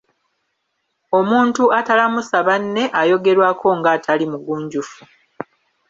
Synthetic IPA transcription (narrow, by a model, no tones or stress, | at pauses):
o̞muːntuatalamusaβanːe̞ʔajo̞ɡe̞ɾwaːkʰo̞ŋɡaːtʰalimuɡuːɲɟufu